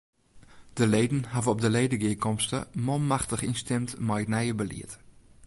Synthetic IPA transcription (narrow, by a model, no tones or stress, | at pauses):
d̥əlejdən̩havəɔb̚dəlejdəɡəɪkɔmstə̰molˠmaχtəχinstɪmtmɛjənɛjəbəlḭət